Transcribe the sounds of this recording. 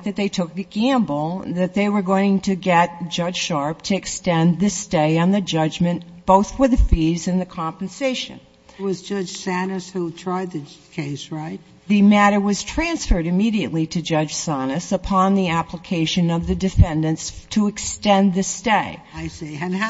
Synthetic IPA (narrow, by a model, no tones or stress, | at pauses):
ðɨt̪̚ðeɪtʰʊk̚ðɨɡ̥æ̃mbl̩ˠðɨt̪̚ðeɪwə˞ɡoʊɪ̃ŋtʰɨɡɛt̚d̥ʒ̥ʌd̥ʒ̥ʃɑɹp̚tʰɨɨkstɛ̃nðɪsteɪɨ̃nðɨd͡ʒʌd͡ʒmɨ̃nb̥oʊθfə˞ðɨfizɨ̃nðɨkʰɑ̃mpn̩seɪʃɨ̰̃n | t̚wʌzd͡ʒʌ̥d͡ʒ̥sænɨshutʰɹ̥aɪd̪̚ðɨkʰeɪsɹaɪt̚ | ðɨmæɾə˞wʌz̥tʰɹ̥æ̃nsfə˞ɾɨmiɾiɨʔˡliɾɨd͡ʒʌd͡ʒʒ̥sænɨsəpʰɑ̃nðiæpləkʰeɪʃɨ̃nʌvðɨdɨfɛ̃ndɨ̃nstʰəɨkstɛ̃nðɪsteɪaɪseɪɨ̃n